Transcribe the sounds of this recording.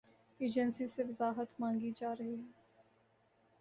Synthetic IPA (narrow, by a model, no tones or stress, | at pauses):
eːd͡ʒənsiseʋɐzaːɦət̪mãːŋɡid͡ʒaːɾɐɦiɦɛː